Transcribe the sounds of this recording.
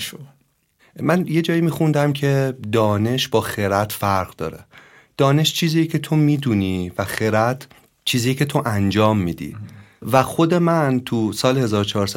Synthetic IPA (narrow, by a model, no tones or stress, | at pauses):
ʃo | mænje̞d͡ʒɒːimiːxund̪æmcʰe̞d̪ɒːne̞ʃb̥ɒːxeɾæt̪ʰfæɾʁ̥d̪ɒ̰ːɾe | d̪̥ɒːne̞ʃt͡ʃʰiːziːjecʰe̞t̪ʰo̞miːd̪uniːvæxeɾæt̪ʰ | t͡ʃʰiːzijecʰe̞t̪ʰo̞ʔænd͡ʒɒːmːiːd̪ḭvæxo̞d̪e̞mænt̪ʰusɒːlhe̞zɒːɾot͡ʃʰɒːɾsæ